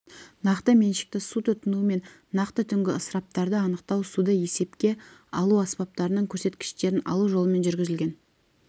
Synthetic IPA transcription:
nɑqt̪əme̞nʃɪ̥k̚t̪ɪsut̪ʰʊt̪ənuəme̞nː | ɑqt̪ət̪ʰʏŋɡʲɪəsəɾɑp̚t̪ɑɾd̪əɑnəqt̪ɑwsud̪əje̞se̞pkʲe̞ɑlˠuɑspɑp̚t̪ɑɾənəɴkʲʰɵɾse̞t̪kʲɪ̥ʃt̪e̞ɾɪnɑ̰lˠuʒo̞lˠəme̞nʒʏɾɡʲɪzɪlʲɡʲe̞n

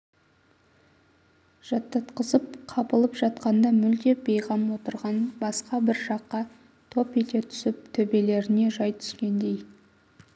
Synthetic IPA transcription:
ʒ̥ɑt̪ːɑt̪qəzəp̚qʰɑpəlˠəpʒɑt̪̚qɑnd̪ɑmʏld̪e̞bejʁɑmwo̞t̪əɾʁɑnbɑsqɑbɪɾʒɑqːɑ | t̪ʰo̞pet̪e̞t̪ʰʏ̥sɪp̚t̪ʰɵbe̞le̞ɾɪne̞ʒɑjt̪ʰʏ̥skʲe̞nd̪e̞j

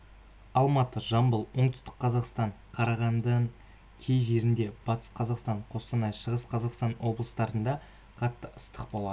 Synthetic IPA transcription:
ɑlˠmɑt̪əʒɑmbəlˠwo̞ɴt̪ɪst̪ə̥qqʰːɑzɑqst̪ɑɴqʰɑɾɑʁɑnd̪əɴ | kʲʰe̞jʒe̞ɾɪnd̪e̞b̥ɑt̪ə̥sqʰɑzɑqst̪ɑɴqʰo̞st̪ənɑjʃəʁəsqʰɑzɑqst̪ɑnwo̞blˠəst̪ɑɾənd̪ɑ | qʰɑt̪ːəəst̪əq̚bo̞lˠɑd̪ə

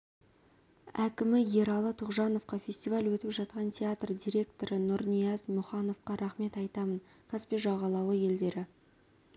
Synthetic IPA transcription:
ækʲɪmɪje̞ɾɑlˠət̪ʰʊqʒɑno̞fqɑfʲe̞sʲt̪ʲivalʲwɵt̪ɪpʒɑt̪̚qɑnt̪ʲʰeat̪rd̪ʲijɾʲe̞k̚t̪o̞ɾənʊɾnijɑzmʊχɑno̞fqɑɾʔɑχme̞t̪ɑjt̪ɑmən | kʰɑspeʒɑʁɑlˠɑwəje̞ld̪e̞ɾɪ

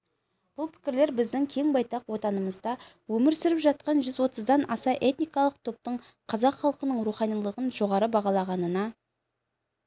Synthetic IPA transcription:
b̥ʊlˠpʰɪ̥kʲɪɾle̞ɾbɪzd̪ɪŋkʲʰe̞ŋbɑjt̪ɑqwo̞t̪ɑnəməzd̪ɑ | wɵmɪɾsʏɾɪpʒɑt̪̚qɑnʒʏzwo̞t̪əzd̪ɑnɑsɑʔe̞t̪nijkɑlˠəq̚t̪ʰo̞p̚t̪əɴ | qʰɑzɑqχɑlˠqənəɴɾuχɑnijlˠəʁənʒo̞ʁɑɾəbɑʁɑlˠɑʁɑnənɑ

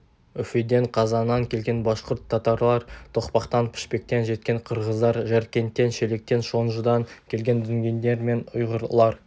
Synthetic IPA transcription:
ʏfid̪e̞ɴqʰɑzɑnːɑŋkʲʰe̞lɡʲe̞nbɑʃqʊɾt̪ʰːɑt̪ɑɾlˠɑɾt̪ʰo̞qpɑqt̪ɑnpʰɪ̥ʃpe̞k̚t̪e̞nʒe̞t̪̚kʲe̞ɴqʰəɾʁəzd̪ɑɾʒæɾkʲe̞nt̪ːe̞nʃele̞k̚t̪e̞nʃo̞nʒəd̪ɑŋkʲʰe̞lɡʲe̞nd̪ɪŋɡʲe̞nd̪e̞ɾme̞nʊ̰jʁəɾlˠɑɾ

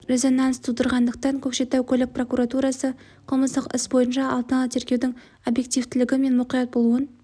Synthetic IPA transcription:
ɾe̞zo̞nɑnst̪ʰud̪əɾʁɑnd̪əq̚t̪ɑŋkʲʰɵkʃe̞t̪ːæwkʲʰɵlɪk̚pro̞kuɾat̪uɾɑsə | qʰəlˠməst̪əqɪ̰sbo̞jənʃɑɑlˠt̪ənɑlˠət̪ʰe̞ɾkʲe̞wd̪ɪŋ | o̞bje̞k̚t̪ivt̪ɪlɪɡʲɪme̞nmʊqijɑt̪̚bo̞lˠuən

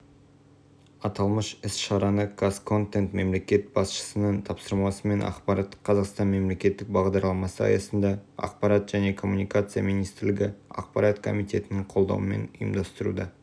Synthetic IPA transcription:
ɑt̪ɑlˠməʃɪsʃɑɾɑnəkʰaskʰo̞nt̪ent̪me̞mle̞kʲe̞t̪̚b̥ɑsʃə̥sənəɴt̪ʰɑpsəɾmɑsəme̞nʔɑ̰qpɑɾɑt̪qʰɑzɑqst̪ɑnme̞mle̞kʲe̞t̪ːɪk̚bɑʁd̪ɑɾlˠɑmɑsəɑ̰jɑsənd̪ɑɑ̰q̚pɑɾɑt̪ʒæne̞kʰo̞mːunijkat̪sɨja̰mijnijst̪ɪɾlɪɡʲɪɑ̰q̚pɑɾat̪kʰo̞̰mijt̪e̞t̪ɪnɪɴqʰolˠd̪ɑ̰wəme̞̰nʊjəmd̪ɑst̪əɾṵd̪ɑ

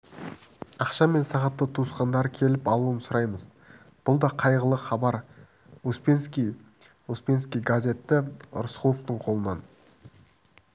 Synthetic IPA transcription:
ɑqʃɑme̞nsɑʁɑt̪ːət̪ʰusqɑnd̪ɑɾkʲʰe̞lɪpɑlˠuənsʊɾɑjməz | b̥ʊlˠd̪ɑqʰɑjʁəlˠəχɑbɑɾ | uspenskʲij | uspe̞nskʲijɡazʲe̞t̪ːɪʊ̰ɾʊsqulˠoft̪əɴqʰo̞lˠənɑn

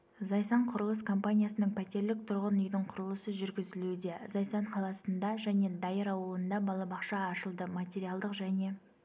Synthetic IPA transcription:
zɑjsɑɴqʰʊɾəlˠəskʰo̞mpanʲijasənəɴpʰæt̪e̞ɾlɪk̚t̪ʰʊɾʁənʏjd̪ɪɴqʰʊɾəlˠəsəʒʏɾɡʲɪzɪlud̪e̞zɑjsɑɴqʰɑlˠɑsənd̪ɑʒæne̞d̪ɑjəɾɑwəlˠənd̪ɑbɑlˠɑbɑqʃɑːʃəlˠd̪əmat̪ʲe̞ɾijɑlˠd̪əqʒæne̞

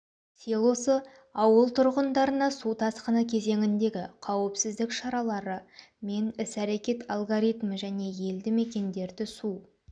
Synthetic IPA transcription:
selˠosə | ɑwəlˠt̪ʰʊɾʁənd̪ɑɾənɑsut̪ʰɑsqənəkʲʰe̞ze̞ŋʲɪnd̪e̞ɡʲɪqʰɑwəpsɪzd̪ɪkʃɑɾɑlˠɑɾəme̞nɪsæɾe̞kʲe̞t̪alˠɡoɾijt̪məʒæne̞je̞ld̪ɪme̞kʲe̞nd̪e̞ɾd̪ɪsu

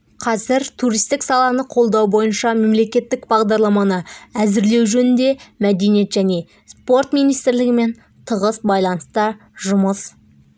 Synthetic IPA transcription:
qʰɑzɪɾt̪ʰuɾijst̪ɪksɑlˠɑnəqʰo̞lˠd̪ɑwbo̞jənʃɑme̞mle̞kʲe̞t̪ːɪkbɑʁd̪ɑɾlˠɑmɑnəæzɪɾle̞wʒɵnɪnd̪e̞mæd̪e̞nije̞t̪ʒæne̞ | spo̞ɾt̪mijnijst̪ɪɾlɪɡʲɪme̞n | t̪ʰəʁəsbɑjlˠɑnəst̪ə | ʒʊməs

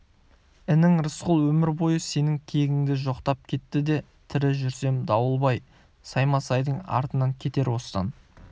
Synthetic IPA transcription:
ɪnɪŋɾəsqʊlˠwɵmɪɾbo̞jəse̞nɪŋkʲʰejɡʲɪŋd̪ɪʒo̞qt̪ɑp̚kʲʰe̞t̪ːɪd̪e̞ | t̪ʰɪɾɪʒʏɾse̞md̪ɑwəlˠbɑj | sɑjmɑsɑjd̪əɴɑ̰ɾt̪ənɑŋkʲʰe̞t̪e̞ɾwo̞sə̥t̪ɑ̰n

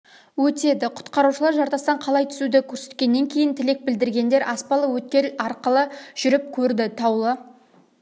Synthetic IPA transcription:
wɵt̪e̞d̪ɪqʰʊ̥t̪qɑɾuʃəlˠɑɾʒɑɾt̪ɑst̪ɑɴqʰɑlˠɑjt̪ʰʏ̥sud̪ɪkʲʰɵɾse̞t̪̚kʲe̞nːe̞ŋkʲʰe̞jɪnt̪ʰɪle̞k̚bɪld̪ɪɾɡʲe̞nd̪e̞ɾʔɑspɑlˠəwɵt̪̚kʲe̞ɾɑɾqəlˠəʒ̥ʏɾɪp̚kʲʰɵɾd̪ɪt̪ʰɑwlˠə

